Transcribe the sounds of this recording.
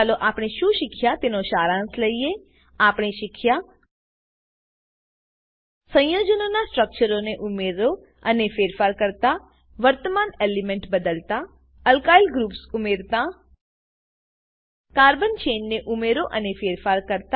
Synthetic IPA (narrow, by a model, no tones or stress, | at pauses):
loʔaːpɽ̃iʃũʃɪkʰjat̪ɪnoʃaːɾãːnsləie | aːpɽ̃iʃɪkʰja | sə̃j̃joːd͡ʒənonasʈɾək̚t͡ʃəɾoneʔʊmeɾo | ənefeːɾfaːɾkəɾt̪a | ʋəɾt̪əmaːneːlimẽɳʈbəd̪əlt̪a | əlkaːilɡɾuːpsʊmeːɾt̪a | kaːɾbənt͡ʃeːnːeʔʊmeɾoʔənefʰeːɾfaːɾkəɾt̪